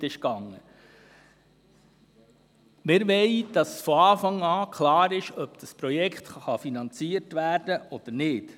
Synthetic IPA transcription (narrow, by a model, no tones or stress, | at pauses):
ɪʃkɑŋːə | mɪɾʋɛɪd̪̥ɑsfɔɑːfɑŋɑːkʰlɑːɾɪʃœbd̪̥ɑspɾɔjɛkχt̪χχɑfinɑnt͡siəɾtʋæːrd̥əʔɔd̥̪ənɪːt